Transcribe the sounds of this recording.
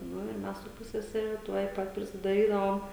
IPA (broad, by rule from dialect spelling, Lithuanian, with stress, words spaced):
ˈnʊ ɪr ˈmʲɛs sʊ ˈpʊsʲsʲɛsʲɛrʲɛ ˈtuɔj ˈpɐt pʲrʲɪsʲɪdɐˈrʲiːdɐʋoːm